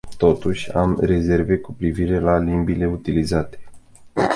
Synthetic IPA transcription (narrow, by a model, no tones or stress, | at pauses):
t̪o̞t̪uʃʲa̰mre̞ze̞rve̞kupɾiviɾe̞lalimbile̞ut̪ilizat̪e̞̥